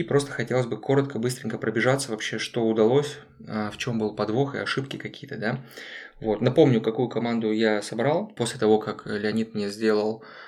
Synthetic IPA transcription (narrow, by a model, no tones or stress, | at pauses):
ipɾo̞st̪əxɐtʲe̞lˠəsʲbɨko̞ɾət̪kəbɨst̪ɾʲɪnʲkəpɾəbʲɪʐat̪səvɐpɕːe̞ʂt̪o̞ʊd̪ɐlˠo̞sʲ | aft͡ɕo̞mbɨlˠpɐd̪vo̞xɨ̰ɐʂɨpkʲɪkɐkʲijət̪əd̪avo̞t̪nɐpo̞mnʲʊkɐkujʊkɐmand̪ʊjasɐbɾalˠpo̞sʲlʲɪt̪ɐvo̞kaklʲɪɐnʲit̪mnʲezʲdʲe̞lˠəlˠ